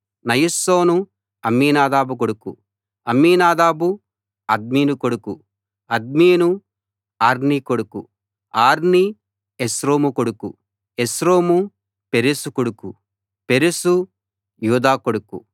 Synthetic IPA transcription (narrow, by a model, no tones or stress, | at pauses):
nɐjisːoːnu | ɐmːiːnaːd̪aːbukoɽukṵ | ɐmːiːnaːd̪aːbu | ɐd̪̚miːnukoɽuku | ɐd̪̚miːnu | aːɾnikoɽuku | aːɾni | esɾo̞ːmukoɽukṵ | esɾoːmu | peɾisukoɽukṵ | peɾisu | juːd̪aːkoɽukṵ